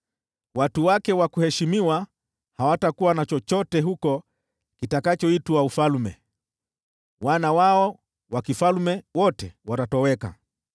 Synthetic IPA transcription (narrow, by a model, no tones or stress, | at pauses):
watuwakɛwakuhɛʃimiwa | hawatakuwanat͡ʃɔt͡ʃɔtɛɦukɔ | kitakat͡ʃɔituaufalmɛ | wanawaɔ | wakifalmɛwɔtɛwatatɔwɛka̰